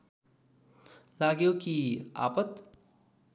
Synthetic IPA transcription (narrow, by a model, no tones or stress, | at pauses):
laɡjokia̰ːpət̪